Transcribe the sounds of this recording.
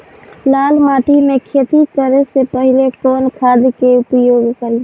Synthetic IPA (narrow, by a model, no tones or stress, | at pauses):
lalmaʈimekʰet̪ikəɾesepəɦilekonkʰad̪keupjoɡkəɾi